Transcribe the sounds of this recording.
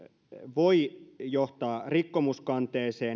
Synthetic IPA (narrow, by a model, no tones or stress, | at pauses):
ʋoijoht̪ɑːrikːomuskɑnt̪eːseː